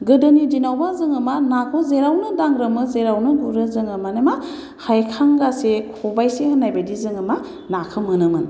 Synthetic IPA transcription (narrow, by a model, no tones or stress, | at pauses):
ɡɯdɯnidinawbazɯŋɯmanakʰɔzeɾawnɯdaŋɾɯmɯzeɾawnɯɡuɾɯzɯŋɯmanema | hajkʰaŋɡasekʰɔbajsehɯnajbadizɯŋɯma | nakʰɯmɯnɯmɯn